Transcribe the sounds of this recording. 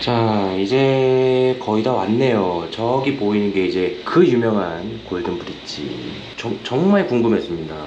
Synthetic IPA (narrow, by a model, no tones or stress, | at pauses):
t͡ɕaid͡ʑe̞ | kʌidawa̰nːe̞jot͡ɕʌɡipoinɯnɡe̞id͡ʑe̞kɯjumjʌŋɦankoɭdɯmpudit͡ɕ͈ḭ | t͡ɕʌŋt͡ɕʌŋmaɭkuŋɡɯmɦe̞s͈ɯmɲida